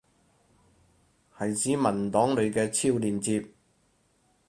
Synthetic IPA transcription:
hɐ˨jsiː˨˥mɐ˨˩nt̪ɔː˨˥ŋlɵ˨˧ɥkɛː˧t͡sʰiː˥˧wliː˨nt͡siː˧p̚

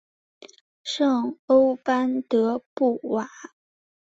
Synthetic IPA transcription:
ʂɑ˥˩ŋo˥ʊpa˥nt̪ɤ˧˥pu˥˩wa˨˥˦

